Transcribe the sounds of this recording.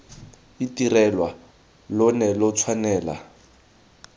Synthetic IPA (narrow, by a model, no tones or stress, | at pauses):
itirɛlwa | lʊnɛlʊt͡sʰwanɛːla̰